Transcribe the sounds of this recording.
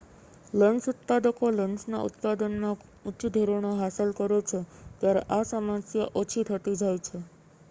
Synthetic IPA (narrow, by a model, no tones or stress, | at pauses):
ləɳsʊt̪̚pad̪əkoləɳsna̰ʔʊ̰t̪̚pad̪ənːa | utːt͡ʃd̪ʱoɾoɽ̃aɦasəlkəɾjot͡ʃʰet̪jaɾḛʔasamãsjəʔot͡ʃʰit̪ʰət̪ĩd͡ʒajt͡ʃʰe